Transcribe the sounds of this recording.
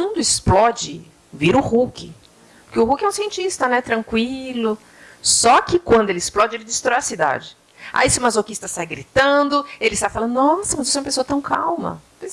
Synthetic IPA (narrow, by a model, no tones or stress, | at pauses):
ũd̪ʊɪsplɔd͡ʒɪ | viɾʊhukɪ | pkɪʊhukɪɛũsiẽnt͡ʃist̪ɐnɛt̪ɾɐ̃ŋkwilʊ | sɔkɪkwɐ̃nd̪ʊelɪɪsplɔd͡ʒɪelɪd͡ʒɪst̪ɾɔjɐsid̪a̰d͡ʒɪ | a̰isɪũmazokist̪ɐsajɡɾit̪ɐ̃d̪ʊelɪst̪afalɐ̃nd̪ʊnɔsɐmɐzisɛm̃ɐpesoɐt̪ɐ̃w̃ka̰wmɐ̰pz